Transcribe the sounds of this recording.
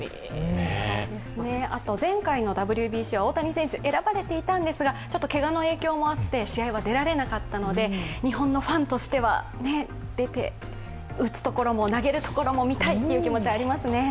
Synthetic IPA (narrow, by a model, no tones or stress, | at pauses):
d̪e̞sɨne̞a̰t̪o̞zẽ̞ŋkaino̞d̪abɯ̟ɾʲɯbʲiːɕiːβao̞ːt̪aɲ̟isẽɕɨʔe̞ɾabaɾe̞t̪e̞it̪ãnd̪e̞sɨɡat͡ɕo̞t̪ːo̞ke̞ɡano̞e̞ːkʲo̞ːmo̞at̪ːe̞ɕiaiβad̪e̞ɾaɾe̞nakat̪ːano̞d̪e̞ɲ̟iɦõ̞nːo̞ɸãnt̪o̞ɕi̥t̪e̞βa̰ | ne̞ | d̪̥e̞t̪e̞̰ | ɯ̟t͡sɨ̥t̪o̞ko̞ɾo̞mo̞naɡe̞ɾɯ̟t̪o̞ko̞ɾo̞mo̞mʲit̪ait̪ːe̞iɯ̟kʲimo̞t͡ɕiβaːɾʲimasɨne̞